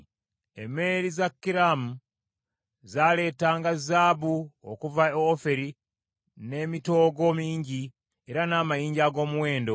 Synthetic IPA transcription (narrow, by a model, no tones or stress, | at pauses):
emːe̞ɾizakːiɾamu | zaːle̞ːtaːŋɡazaːbuo̰kuvaofe̞ɾi | ne̞ːmito̞ːɡo̞miːɲɟi | eɾanaːmajiːɲɟaːɡo̞ːmuwe̞ːndo̞